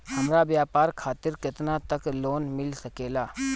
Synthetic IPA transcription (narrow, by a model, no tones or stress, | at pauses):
hɐmɾaʋjaːpaːɾkʰaːt̪ɪɾkɪt̪nat̪əkloːnmɪlsəkeːlaː